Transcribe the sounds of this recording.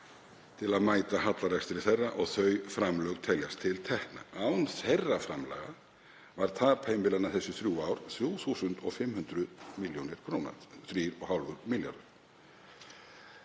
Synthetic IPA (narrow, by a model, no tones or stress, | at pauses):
t̪ʰɪlaðmaːjt̪ahat̪laɾɛkst̪ɪɾɪθerːaʔɔɣθœɥfɾamlœɣt̪ʰɛljast̪ʰɪlt̪ʰɛhkna̰awʏmθerːafɾamla̰ːɣa | vaɾ̥t̪ʰaːpʰeːjmvɪlanaθɛsːʏθɾjuːaːwɾ̥θjuːθuːsʏnt̪ɔɣfɪmːhʏnt̪ɾʏðmiljownɪɾ̥kʰɾowna̰θɾiːɾɔɣhawlvʏɾmɪlja̰ɾðʏɾ̥